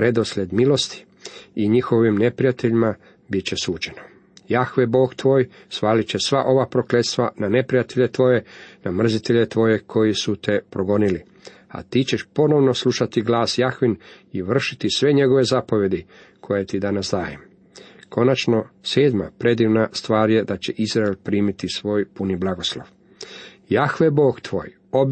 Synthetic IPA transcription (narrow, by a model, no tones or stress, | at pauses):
pɾe̞d̪o̞sʎʲe̞d̪milo̞st̪i̥ | iɲixo̞ʋimne̞pɾijat̪eʎima | bit̪t͡ɕesuːt͡ʃe̞no̥ | jaxʋeboːɡt̪ʋo̞ːj | sʋaːlit͡ɕesʋaʔo̞ʋapɾo̞kle̞t̪st̪ʋanane̞pɾijat̪eʎe̞t̪ʋo̞je̞namr̩zit̪e̞ʎe̞t̪ʋo̞je̞kʰo̞jisut̪e̞pɾoɡo̞nili | a̰t̪it͡ɕe̞ʃpo̞no̞ʋno̞slˠuʃat̪iɡlaːsjaxʋiniʋr̩ʃit̪isʋe̞ɲe̞ɡo̞ʋe̞zapoʋje̞d̪i | kʰo̞jet̪id̪anasd̪aːjem | kʰo̞nat͡ʃno̞seːd̪ma̰pɾe̞d̪iːʋnast̪ʋaːɾje̞d̪at͡ɕeʔizɾaelpɾiːmit̪isʋo̞ːjpuniblaɡo̞slˠo̰ʋ | jaxʋeboːɡt̪ʋo̞̰ːj | ob